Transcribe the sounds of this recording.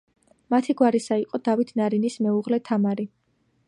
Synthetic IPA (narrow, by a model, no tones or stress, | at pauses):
mat̪ʰiɡwaɾisaiqʼɔd̪̥avit̪ʰnaɾinismɛuʁlɛt̪ʰamaɾi